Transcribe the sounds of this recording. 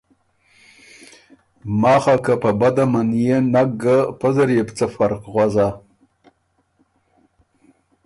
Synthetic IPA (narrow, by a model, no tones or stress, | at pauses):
mɑːχakapabad̪amanjenaɡapəzəɾjept͡səfaɾqɣwaza